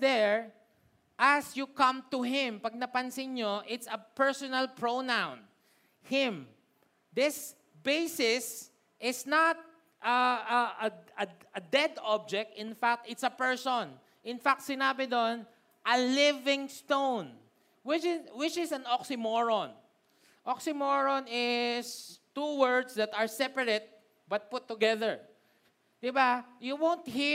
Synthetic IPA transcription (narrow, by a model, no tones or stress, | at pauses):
d̪ɛɹ | ʔɐsjukɐ̃mt̪ʊɦɪ̃mpɐɡ̚nɐpɐnsɪnɲoʔɪt̪sɐpɛɹsɔnɐlpɹownãwn | hɪ̃m | d̪ɪs | bejsɪs | ʔɪsnat̪̚ | ʔɐɐɐɐɐd̪ɛd̪ɔb̚d͡ʒɛk̚t̪ɪ̃nfak̚t̪ɪt̪sɐpɛɹsɔ̃n | ʔɪnfak̚t̪̚sɪnaːbɪd̪on | ʔɐlɪvɪ̃ŋst̪õwn | wɪt͡ʃɪwɪt͡ʃɪsɐ̃nɔksɪmɔɹɔ̃n | ʔɔksɪmoɹɔnɪst̪uwɜɹd̪sd̪ɐt̪ɐɹsɛpɐɹɛt̪̚ | bɐt̪̚pʊt̪ːʊɡɛðɛɹ | d̪̥ɪbajuwõwnt̪hi